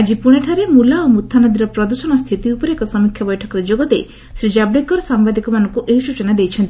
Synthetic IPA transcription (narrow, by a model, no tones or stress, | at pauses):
ad͡ʒipuɽ̃eʈʰaɾemulaomut̪ʰːanɔd̪iɾɔpɾɔd̪usɔɽ̃ɔst̪ʰit̪iupɔɾekɔsɔmikʰjabɔjʈʰɔkɔɾed͡ʒoɡɔt̪e | sɾid͡ʒablekɔɾsambad̪ikɔmanɔŋkuʔesut͡ʃɔnad̪ejt͡ʃʰɔnt̪ii